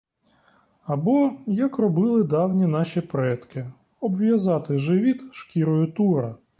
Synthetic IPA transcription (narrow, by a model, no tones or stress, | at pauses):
ɐbɔjɐkrɔbɪlˠɪd̪ɑwnʲinɑʃʲipɾɛt̪kɪ | ɔbʋʲjɐzɑt̪ɪʒɪʋʲit̪ʃkʲiɾɔjʊt̪uɾɐ